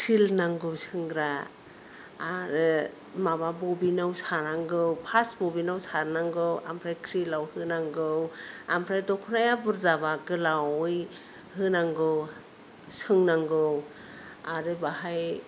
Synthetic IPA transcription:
kʰɾilnaŋɡɯwsʰɯŋɡɾa | ɾɯ | mamabobinawsanaŋɡɯwpʰasbɔbinawsaɾnaŋɡɯwa̰mpʰɾajkʰɾilawhɯnaŋɡɯwa̰mpʰɾajdɔkʰunajabuɾzaβaɡɯlawj | hɯnaŋɡɯw | sʰɯŋnaŋɡɯw | aɾɯbaɦaj

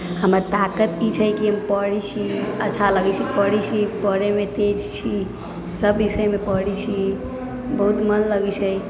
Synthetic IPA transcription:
həməɾt̪akət̪it͡ʃʰəjkiɦəmpəɽit͡ʃʰiətːt͡ʃʰaləɡɛt͡ʃʰipəɽit͡ʃʰipəɽemet̪ed͡ʒt͡ʃʰi | səbːisəjmepəɽit͡ʃʰi | bəɦut̪mənləɡɛt͡ʃʰəj

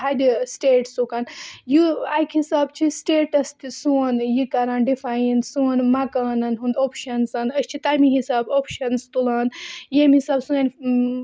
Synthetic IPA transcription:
ɦad̪isʈeːʈsukaːnjuaːkhisaːbt͡ʃʰisʈeːʈɐst̪suɐnjikɐɾãːnɖifaːjinsuɐnmakaːnɐnɦund̪oːpʰʃɐnsɐnɐst͡ʃʰit̪aːmiɦisaːboːpʰʃɐnst̪ulaːnjemisaːbsuanʲ

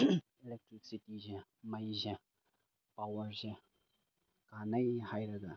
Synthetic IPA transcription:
ilek̚tɾik̚sitizemɐjze | pawɐɾze | kanɐjhajɾɐɡa

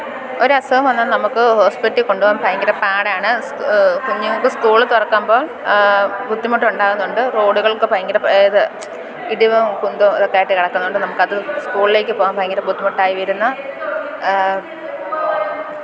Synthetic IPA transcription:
oɾuɐsɐʋɐmʋɐnːannɐmukːɨho̞ːspiʈːiko̞ɳɖuʋoːmpʰɐjɐŋɡɐɾɐpːaːɽaːɳɨskuɲːɐŋːɐɭkːɨskuːɭɨt̪urɐkːaːmbo̞ːɭ | bʱud̪ːimuʈːuɳɖaːɣunːuɳɖɨro̞ːɽuɣɐɭkɨpɐjɐŋɡɐɾɐpːɐɐðɨ | iɽiʋɨmkund̪omɐ̰ðokːaːjɾiʈːɨkɐɽɐkːunːuɳɖɨnɐmukːɐðɨskuːɭile̞ːk̬ʲːɨpo̞ːɣaːmpʰɐjɐŋɡɐɾɐbud̪ːimuʈːaːjiʋɐjiɾunːɐ

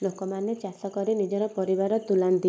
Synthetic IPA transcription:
lokɔmanet͡ʃasɔkɔɾinid͡ʒɔɾɔpɔɾibaɾɔt̪ulant̪i

